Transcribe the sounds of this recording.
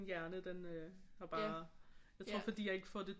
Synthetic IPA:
njæɐnəd̥enøhɑ̈b̥ɑːjɑɪt͡sʰʁo̝ɐ̰fɒ̽d̥ḭjɑ̈e̝ɡ̥əfɒd̥e̝

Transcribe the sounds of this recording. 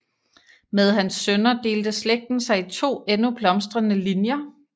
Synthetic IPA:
með̞ˠhænsːønɐd̥e̝̰ːld̥əsleɡ̥̚d̥n̩sɑ̈ɪit͡sʰo̝̰ːenub̥lɒ̽msd̥ʁɐnəlinjɐ

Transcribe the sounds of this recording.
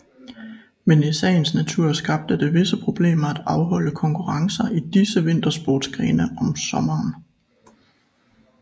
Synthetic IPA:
menesɛ̰ːnsnæt͡sʰuɐ̰sɡ̥ɑ̈b̥̚d̥əd̥e̝ʋe̝səpʰʁo̝b̥le̝̰ːmɐæd̥ɑ̈ʊɦɒ̽ləkʰɒ̽ŋkʰuʁɑ̈ŋsɐʔid̥isəʋe̝n̰d̥ɐsb̥oːd̥sɡ̥ʁɛːnəʔɒ̽msɒ̽mɐːn

